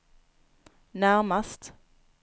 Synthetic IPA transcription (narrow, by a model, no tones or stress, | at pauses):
næɾmast̪